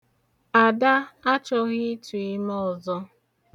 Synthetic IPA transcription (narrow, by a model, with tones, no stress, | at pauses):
a˨da˦a˦t͡ʃɔ˦ɣɪ˦tu˨ɪ˦mɔ˦ɔ˨zɔ˦